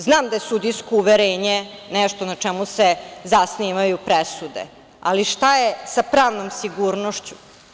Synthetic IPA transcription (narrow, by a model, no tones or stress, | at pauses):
znaːmd̪ajesud̪iskouʋeɾeːɲenɛʃt̪onat͡ʂɛmusezasniʋajupɾesud̪ḛ | a̰liʃt̪ajesapɾaːʋnomsiɡuːɾnoʃt͡ɕu̥